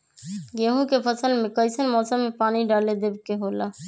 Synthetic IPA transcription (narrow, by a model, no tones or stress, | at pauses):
ɡeɦũkepʰəsəlmekəɪsənmɔːsəmːepaniɖaled̪ebkeɦolə